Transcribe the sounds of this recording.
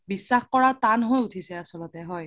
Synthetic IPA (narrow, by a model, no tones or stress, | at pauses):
bisːaxkɔɹatanɦojutʰisɛasɔlɔtɛɦɔj